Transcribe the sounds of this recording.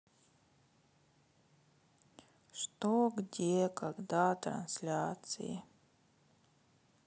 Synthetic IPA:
ʂt̪oɡdʲekaɡd̪at̪ɾɐ̰nsʲlʲat̪sɨ̰jɪ̰

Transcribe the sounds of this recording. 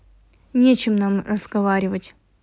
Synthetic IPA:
nʲet͡ɕɪmnamrəz̥ɡɐvaɾʲɪvətʲ

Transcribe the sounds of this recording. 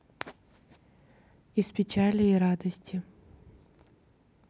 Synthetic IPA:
ispʲɪt͡ʃalʲɪiɾad̪ɐsʲtʰʲɪ

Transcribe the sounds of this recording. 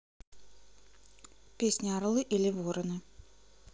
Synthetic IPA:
pʲesʲnʲiaɾlˠɨʔilʲivɔɾɐnɨ

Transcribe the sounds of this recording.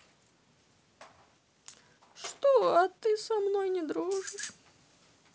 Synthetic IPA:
ʂt̪oɐt̪ɨsɐmnojnʲɪd̪ɾuʐɨʂ

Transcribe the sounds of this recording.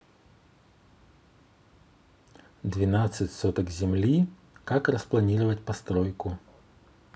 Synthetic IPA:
d̪vʲɪnat̪sɨtʲsɔt̪əkzʲɪmlʲi | kakrəsplˠɐnʲiɾɨvət̚ʲpɐst̪ɾojkʊ

